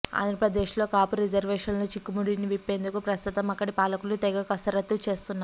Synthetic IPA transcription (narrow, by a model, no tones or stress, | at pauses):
a̰ːnd̪ɾɐpɾɐd̪eːʂlo̞ːkaːpuɾid͡ʒɐɾʋeːʂɐnloːt͡ʃikːumuɽiniʋipːe̞ːnd̪ukupɾɐst̪ut̪ɐmɐkːɐɽipaːlɐkulut̪ɛɡɐkɐsɐɾɐt̪ːut͡ʃe̞ːst̪unːaː